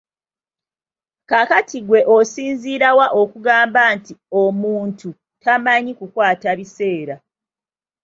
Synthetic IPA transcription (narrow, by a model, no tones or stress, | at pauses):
kakatʰiɡwe̞ʔosiːnziːɾawaʔo̞kuɡaːmbantiomuːntu | tamaɲikukwaːtaβise̞ːɾa